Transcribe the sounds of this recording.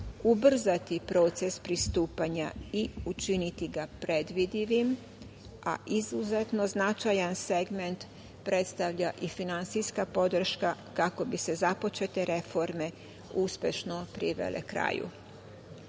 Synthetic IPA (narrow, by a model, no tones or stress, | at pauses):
ubr̩zat̪ipɾo̞t̪se̞spɾist̪uːpaɲaiut͡ʃinit̪iɡapɾed̪ʋid̪iʋim | ʔa̰ʔizuzet̪no̞znat͡ʃajanse̞ɡment̪ | pɾe̞t̪st̪aʋʎaʔifinant̪sijskapo̞d̪r̩ʃkakako̞bise̞zapo̞t͡ʃe̞t̪e̞ɾe̞fo̞ɾme̞ | uspʲje̞ʃno̞pɾiʋḛlḛkɾa̰ːjṵ